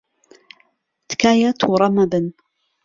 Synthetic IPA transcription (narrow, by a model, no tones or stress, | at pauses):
t̪kaːjat̪wɾˤɑmabn